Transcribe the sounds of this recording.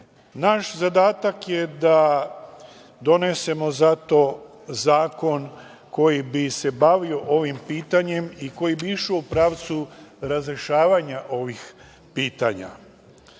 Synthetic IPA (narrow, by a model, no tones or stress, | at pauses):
naʃzad̪aːt̪akje̞d̪a | d̪o̞ne̞se̞mo̞zat̪o̞ | zaːko̞n | ko̞jibise̞baʋio̞ʔo̞ʋimpiːt̪aɲe̞miko̞jibiiʃuupɾaːʋt̪suɾazɾeʃaːʋaɲaʔo̞ʋix | piːt̪aɲa̰